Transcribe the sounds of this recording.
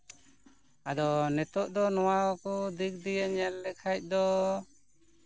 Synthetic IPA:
ad̪ɔnɛt̪ɔʔd̪ɔnɔwawakɔd̪ik̚d̪ijɛɲɛlːɛkʰac̚ˀd̪ɔ

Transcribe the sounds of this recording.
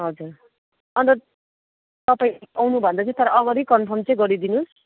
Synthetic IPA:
ɦʌd͡zur | ʌnt̪ʌ | t̪ʌpaĩawnubʱʌnd̪ʌt͡saĩt̪ʌɾʌʌɡʌɾikʌnpʰʌmt͡sʌj̃ɡʌɾid̪inus

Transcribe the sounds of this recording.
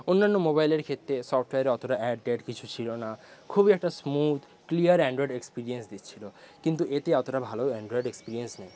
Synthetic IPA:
onːanːomobajleɾkʰet̪ːɾesɔfʈweaɾeɔt̪oʈaʔɛɖɖeɖkit͡ɕʰut͡ɕʰilonakʰubiɛk̚ʈasmud̪ʱ | klijəɾɛɳɖɾɔeɖekspiɾiensd̪itt͡ɕʰilo | kint̪uʔet̪eɔt̪oʈabʱaloɛɳɖɾɔeɖekspiɾiensnɛj

